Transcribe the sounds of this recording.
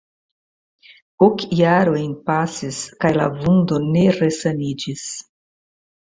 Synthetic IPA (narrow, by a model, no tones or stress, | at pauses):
okjaɾojnpasiskajlavundo̞ne̞ɾesanid͡ʒis